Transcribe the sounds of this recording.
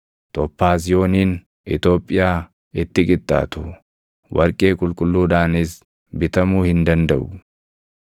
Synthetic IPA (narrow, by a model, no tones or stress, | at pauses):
t̪ɔpːaːs̬ɪjo̞ːniːn | ɪt̪o̞ːpʼːɪjaː | ɪt̪ːɪkʼɪt̪ʼːa̰ːt̪ʊ | wʔɐɾkʼeːkʼʊlkʼʊlːuːᶑaːnɪs | bɪt̪ɐmuːhɪnd̪ɐnd̪ɐʔʊ